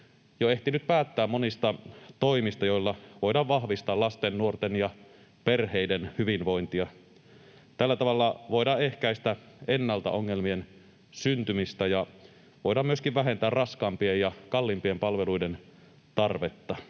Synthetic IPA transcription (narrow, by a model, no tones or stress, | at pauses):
joe̞ht̪inyt̪̚pæːt̪ːæːmmonist̪ɑt̪oimist̪ɑjo̞ilːɑʋo̞idɑʋʋɑhʋist̪ɑːlɑst̪enːuort̪enjɑ | pe̞rheidenhyʋinʋo̞jnt̪iɑ | t̪ælːæt̪ɑʋɑlːɑʋo̞idɑehkæist̪æenːɑlt̪ɑ̰ʔoŋːe̞lmien | synt̪ymist̪æjɑ | ʋoidɑːmyøskiʋʋæɦe̞nt̪æːrrɑskɑːmpiejɑkɑlːimpie̞mpɑlʋeluiden | t̪ɑrʋet̪ːɑ